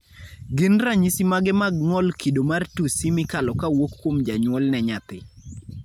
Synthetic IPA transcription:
ɡɪnraɲisimaɡɪmaɡŋɔlkidomartusimɪkalɔkawokːwomd͡ʒaɲwɔlnɛɲat̪ɪ

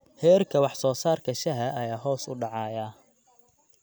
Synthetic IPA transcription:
hɛːrkʰɐwɑħsɔːsaːrkʰɐʃɐɦɐʔɐjaːɦɔːsʊ̰ɖɑʕɑːja

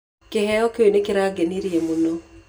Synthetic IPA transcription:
kehɛɔkewenekeɾaːɡeniɾiɛmunɔ

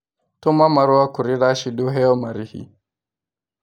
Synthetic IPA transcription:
tumamaɾakʊɾiɽaːʃidoɦɛjomaɾihḭ

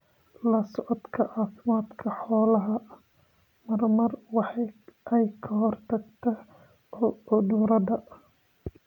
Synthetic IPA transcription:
lɐsɔʕɔd̪kʰɐʕɑːfɪmaːd̪kʰɐħɔːlɐɦɐ | mɐrmɐrwɑħɑʔɛjkʰɐɦɔrt̪ʰɐɡt̪ʰɐ | ʊd̪uːɾɐdɐ

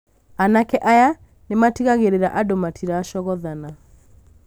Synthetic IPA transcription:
anakɛʔaja | nematiɣaɣeɾeɾa̰ʔadomatʰiɾaːʃɔɣɔðana

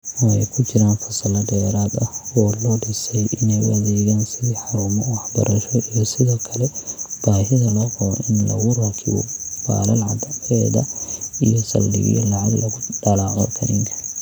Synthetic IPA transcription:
ɔːɛjkʰʊt͡ʃɪɾaːnfɐsɐlɐd̪ɛːɾaːd̪ɐhɔːlɔːɖɪsɛjʔɪnɛjʊʔɐðɛːɣaːnsɪðiːħɑɾuːmɔwɑħbɐ̰ɾʔɐʃɔijɔsɪðɔːkʰɐlɛb̥aːhɪðɐlɔqɐβɔ̰ʔɪnlɐ̰ɣʊraːkʰɪ̰βɔ̰b̥a̰ːlɐlʕɑd̪ɛːðɐijɔsɐ̰lːɪ̰ɣɪ̰jɐlɑʕɑd̪lɐɣʊɖɐlɑːqɔ̰kʰɐʔɪ̰nkʰɐ

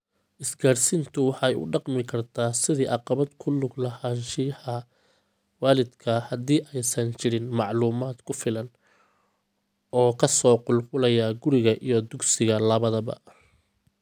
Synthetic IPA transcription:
ʔɪsɡaːrsɪnt̪ʰʊwɑħɑjʊ̰ɖɑqmɪkʰɐrt̪ʰaːsɪðiːʔɑqɑβɐd̪kʰʊlʊɡlɐhaːnʃiːhɐ | waːlɪd̪kʰɐhɐd̪iːʔɛjsɐnt͡ʃʰɪɾɪnmɑʕluːmaːd̪kʰʊfɪlɐn | ɔːkʰɐsɔːqʊlqʊlɐjɐɡʊɾɪɣɐʔijɔd̪ʊɡsɪɣɐlɐβɐðɐβɐ̰

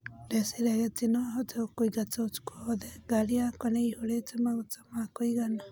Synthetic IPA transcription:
ndesiɾeɣet͡sinoɦoteokoiɡat͡saot͡su̥kʰoðeŋɡaɾiakɔneihoɾet͡semaɣut͡samakoiɣana

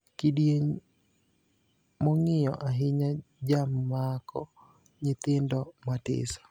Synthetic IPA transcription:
kɪdjeɲ | mɔŋɪjɔ̰ʔaɦɪɲad͡ʒamːakɔ̰ | ɲɪt̪ɪndɔmatɪ̰sḁ

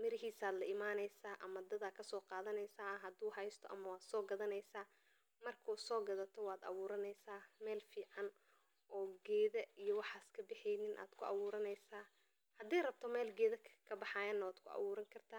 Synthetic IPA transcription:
mɪɾɪɦiːsaːd̪lɐʔɪmaːnɛjsaːʔɐmɐd̪ɐðaːkʰɐsɔːqɑːðɐnɛjsaːɦɐd̪uːɦɛjst̪ʰɔʔɐ̰mɐwɑːd̪sɔːɡɐðɐnɛjsaː | mɐrkʰuːsɔːɡɐðɐt̪ʰɔwɑːd̪ɐ̰βuːɾɐnɛjsaːmɛːlfiːʕɑn | ʔɔːɡɛːðɐijɔwɑħɑːskʰɐbɪħɛjnɪnʔa̰ːd̪kʰʊʔɑ̰βuːɾɐnɛjsaː | hɐd̪ɛjrɐb̚t̪ʰɔmɛːlɡɛːðɐkʰɐbɑħɑːjɛːnːɐwaːd̪kʰʊʔɑ̰wuːɾɐŋkʰɐrt̪ʰaː

